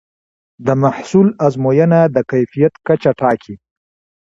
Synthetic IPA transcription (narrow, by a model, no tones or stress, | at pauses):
d̪əmaħsulazmojənad̪əkajfijat̪kat͡ʃaʈɑkʰi